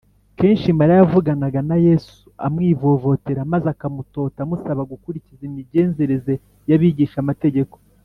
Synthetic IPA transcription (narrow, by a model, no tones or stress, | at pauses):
ke̞ːnʃimaɾajavuɡanaɡanaje̞su̥a̰mŋiːvo̞vo̞te̞ɾamazakamuto̞ːtamusaβaɡukuɾicizimiɟe̞ːnze̞ɾeze̞ | jaβiɟiːʃamate̞ɟe̞ko̞̥